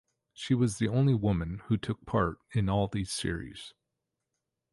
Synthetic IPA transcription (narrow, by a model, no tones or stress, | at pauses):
ʃiwʌzðiõʊ̃nliwʊmɨ̃nhʉtʰʊk̚pʰɑɹɾɨ̃nɔlˠðiz̥sɪ̰ɹḭz̥